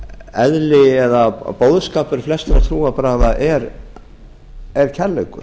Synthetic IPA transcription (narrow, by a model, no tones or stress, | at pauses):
ɛðlɪɛðapoːwðskaːpʏɾ̥flɛst̪ɾat̪ʰɾuːapɾaːɣðaʔɛɾ | ɛɾ̥cʰɛɾlekʏ̰ɾ̥